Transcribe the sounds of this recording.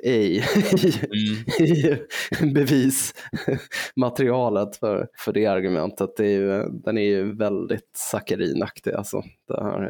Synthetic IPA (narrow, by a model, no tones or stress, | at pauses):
ʔɛj | ɛjbɛviːs | mat̪ɾɪɑːlət̪fœ̰ɾfœɖɛaɾɡɵmɛ̰nt̪ʰət̪̚d̪ɛæɾjɵd̪ɛnæɾjɵvɛld̪ɪt̪sakəɾḭːnakt̪ɪɡa̰lsɔ̰d̪̥ɛ̰nhæ̰ːɾ